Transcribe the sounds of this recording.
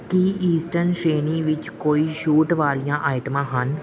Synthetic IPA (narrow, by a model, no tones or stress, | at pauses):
kiiːsʈəɾnʃeːniʋɪt͡ʃkoːiʃuːʈʋaːlijãʔaːɪʈmãɦɐn